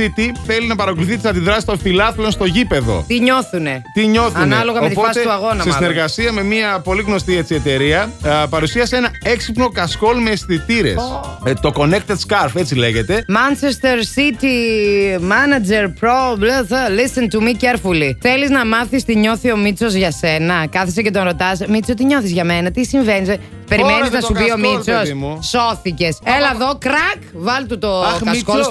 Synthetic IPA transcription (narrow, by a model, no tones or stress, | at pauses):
sit̪iθe̞linɐpɐɾɐkoluθist̪isɐnd̪iðɾɐsi̥st̪o̞nfilɐflonst̪o̞ʝipe̞ðo̞̰t̪iɲo̞θunet̪iɲo̞θunɐloɣɐoipoɐseuɐɣo̞nɐsesineɾɣɐsiɐme̞miɐpo̞liɣno̞st̪iet͡sie̞t̪e̞ɾiɐpɐɾusiɐsee̞nɐe̞ksipno̞kɐsko̞lmest̪it̪iɾe̞̰st̪o̞ko̞ne̞k̚t̪ed̪skɐɾfe̞t͡sile̞ʝe̞t̪e̞mɐnt͡ʃest̪eɾsit̪i | mɐnɐd͡ze̞ɾpɾoblet̪lisent̪umiceɾfuliθe̞liznɐmɐθist̪iɲo̞θio̞mit͡so̞zʝɐse̞nɐkɐθis̬ece̞t̪onɾo̞t̪ɐsmit͡sot̪iɲo̞θizʝɐme̞nɐt̪isiɱve̞niz | pe̞ɾimeniznɐssupio̞mit͡sosso̞θice̞selɐðokɾɐkvɐlt̪ut̪okɐsko